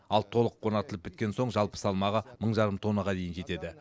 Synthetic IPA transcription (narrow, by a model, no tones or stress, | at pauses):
ɑlˠt̪ʰo̞lˠəqʰːo̞nɑt̪əlˠəp̚bɪt̪kʲe̞nso̞ɴʒɑlˠpə̥sɑlˠmɑʁɑməɴʒɑɾəmt̪ʰo̞nːəʁɑd̪e̞jɪnʒe̞t̪e̞d̪ɪ